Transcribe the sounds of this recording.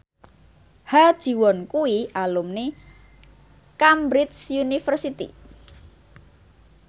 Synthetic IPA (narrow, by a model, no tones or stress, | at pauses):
had̥ʒ̥i̤wɔnkuwiʔalumne | kambɾɪt̪sjunifərsit̪ḭ